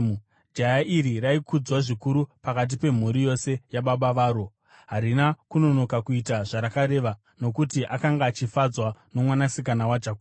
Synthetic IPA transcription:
d͡ʒajaʔiɾiraikʰud͡zwaʐikuɾupakat̬ipe̞m̤uɾijo̞se̞jaɓaɓaʋaːɾo̞ | ɦaɾinakuno̞no̞kakuitaʐaɾakaɾe̞ːʋa | no̞kutiʔakaŋɡaːt͡ʃifad͡zwano̞mwanasikanawad͡ʒaku

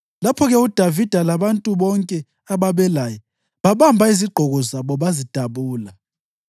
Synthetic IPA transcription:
lapʰɔɣɛud̥ʱavid̥ʱalaβantʼuβɔŋkʼɛ | aβaβɛlaːjɔ | βaβambʱaiziɡ͡ǃʱɔɣɔzaβɔβazid̥ʱaβuːla

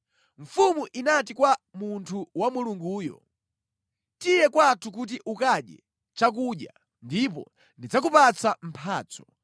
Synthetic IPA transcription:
ɱ̩fumuʔinatikwamuntʰuwamuluŋɡuːjɔ̰ | tijɛkwatʰuk̬ut̬iʔukaɗjɛ̰ | t͡ʃak̬uɗja | ndipɔ̰ | ndid͡zakupat͡sam̩pʰaːt͡sɔ̥

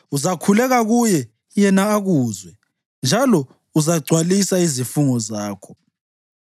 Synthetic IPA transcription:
uzakʰulɛɣaɣujɛ | jɛnaːɣuːzwɛ | nd͡ʒʱalɔ | uzaɡ͡ǀʱwalisaizifuŋɔzaːkʰɔ̥

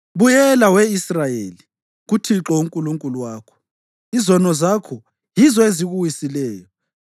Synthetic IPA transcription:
βujɛlawɛisrajeli | ɣutʰiǁɔuŋkʼuluŋkʼuluwaːkʰɔ̥ | izɔnɔzakʰɔ | jizɔeziɣuwisilɛːjɔ

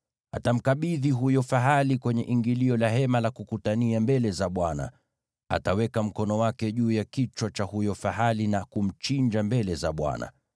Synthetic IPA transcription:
a̰tam̩kaɓiðiɦujɔfaɦalikwɛɲɛʔiŋɡiliɔlaɦɛmalakukutaniambɛlɛzaɓwana̰ | a̰tawɛkam̩kɔnɔwakɛʄuːjakit͡ʃwat͡ʃahujɔfaɦalinakum̩t͡ʃiɲd͡ʒambɛlɛzaɓwa̰na̰

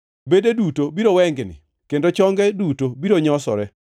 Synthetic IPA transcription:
bededutobiɾowɛŋɡnɪ̰ | kendot͡ʃɔŋɡɛdutobiɾoɲɔsɔ̰ɾɛ

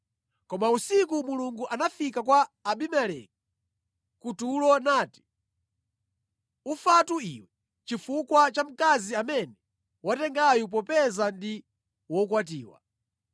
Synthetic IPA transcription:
kɔmausikumuluŋɡuʔanafikakwaːɓimɛlɛ̰k̚i | kutulɔnaːti̥ | ufatuiwɛ | t͡ʃifukwat͡ʃam̩kaziamɛnɛ | watɛŋɡajup̬ɔpɛzandi | wɔkwat̬iːwa̰

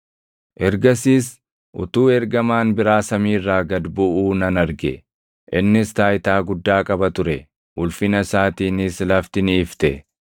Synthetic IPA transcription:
ʔɛɾɡɐsiːs | ʔʊ̰t̪uːɛɾɡɐmaːnbɪɾaːsɐmiːrːaːɡɐd̪bʊʔuːnɐnɐɾɡɛ | ʔɪnːɪst̪aːjt̪aːɡʊd̪ːaːkʼɐbɐt̪ʊɾɛ | ʔʊlfɪnɐsaːt̪iːnɪslɐft̪ɪniːft̪ɛ

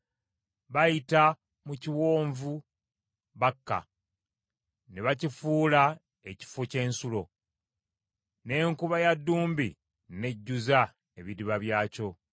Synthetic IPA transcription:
βajita | muciwo̞ːɱvu | βakːa̰ | neβacifuːla | eci̥foce̞ːnsulo̞ | ne̞ːŋkuβajadːuːmbḭ | ne̞ɟːuza | e̞βidiβaβjaːco̞

